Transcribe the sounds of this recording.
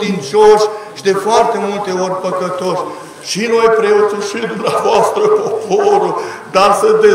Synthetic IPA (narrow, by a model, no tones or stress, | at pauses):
d̪int͡ʃoʃʲʃid̪e̞foart̪e̞mult̪e̞o̞rʲpəkət̪oʃ | ʃinojpɾeot̪suʃid̪umneavoast̪ɾəpopoɾəd̪asəd̪e